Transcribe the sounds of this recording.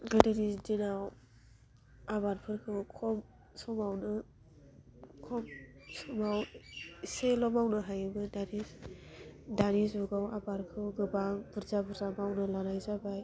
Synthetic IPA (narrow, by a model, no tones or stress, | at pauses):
ɡɯdɯɾidinaw | abaɾpʰɯɾkʰɯwkʰɔm | sɔmawnɯ | kʰɔmsɔmawiselɔmawnɯɦajɯbɯdaɾi | danizuɡawabaɾkʰɯwɡɯbaŋb̥ɯɾzabɯɾzamawnɯlanajzabaj